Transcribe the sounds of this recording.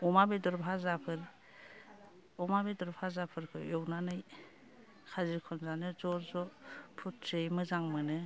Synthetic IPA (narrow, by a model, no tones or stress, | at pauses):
ɔmabedɔɾpʰazapʰɯɾ | ɔmabedɔɾpʰazapʰɯɾkʰɯɔwnanɯj | kʰaziɾkʰɔnzanɯzɔɾzɔpʰut̚sejmɯzaŋmɯnɯ